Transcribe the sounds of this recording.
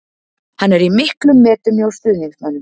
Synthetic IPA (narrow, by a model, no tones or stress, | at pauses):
hanːɛɾimɪhklʏmːɛːt̪ʏmjowst̪ʏːðniŋsmanːʏm